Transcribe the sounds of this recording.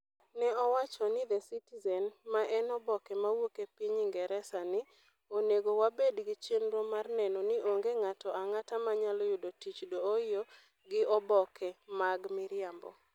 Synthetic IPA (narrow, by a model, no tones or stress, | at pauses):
nɛɔwat͡ʃɔnɪd̪ɛsitizɛnmaʔɛnɔbɔkɛmawokepiɲɪŋɡɛɾɛsanɪ | oneɡowabedɡɪt͡ʃenɾɔmarnɛnɔnɪoŋɡeŋatɔaŋatamaɲalɔjʊdotit͡ʃdoːɪjo | ɡɪʔɔbɔkʰɛmaɡmɪɾɪambɔ̰